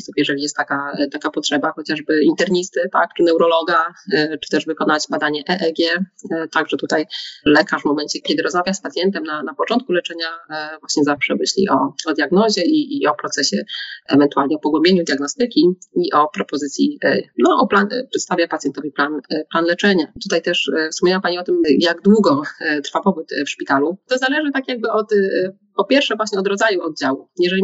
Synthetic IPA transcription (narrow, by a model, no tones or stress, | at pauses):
supjɛʐɛlʲijɛst̪ːakat̪akapɔtʂɛbaxɔt͡ɕaʐbɘint̪ɛɾɲist̪ɘt̪a̰k̚t͡ʂɨnɛwɾɔlɔɡat͡ʂɘ̥t̪ɛʐvɘkɔnad͡ʑbad̪aɲɛʔɛʔɛɡʲjɛt̪aɡʐɛt̪ut̪ajlɛkaʐvmɔmɛɲt͡ɕɛkʲɛd̪ɘɾɔzmavʲjaspat̪sʲjɛnt̪ɛmnanapɔt͡ʂɔnt̪kulɛt͡ʂɛɲavwaɕɲɛzafʂɛmɘɕlʲḭʔɔɔd̪ʲjaɡnɔʑɛiːɔpɾɔt̪sɛɕɛɛvɛnt̪ualɲɛɔpɔɡwɛmbʲjeɲud̪ʲjaɡnɔst̪ɘkʲiiʔɔpɾɔpɔzɘt̪sʲjinɔʔɔplanpʂɛt̪st̪avʲjapat̪ʲjɛnt̪ɔvʲiplanplanlɛt͡ʂɛɲat̪ut̪ajt̪ɛʂfspɔmʲjɛwapaɲiɔt̪ɘmjaɡd̪wuɡɔt̪ɾfapɔbut̪fʂpʲit̪alut̪ɔzalɛʐɘt̪akʲjaɡ̚bɘʔɔt̪ | pɔpʲjɛɾfʂɛvwaɕɲɛɔd̪ɾɔd̪zajuɔd̪̚d͡ʑawujɛʐɛlʲi